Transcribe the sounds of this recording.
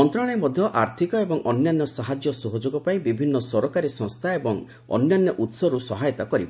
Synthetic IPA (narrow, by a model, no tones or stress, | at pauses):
ɔnt̪ɾɔɽ̃jmɔd̪ʱjɔʔaɾt̪ʰikɔebɔŋʔɔnjanːɔsaɦad͡ʒjɔsoɦod͡ʒoɡɔpaĩbibʱinːɔsɔɾɔkaɾisɔ̃ŋst̪ʰaebɔŋ | ɔ̰njanːɔʔut̪sɔɾusɔɦajɔt̪akɔɾib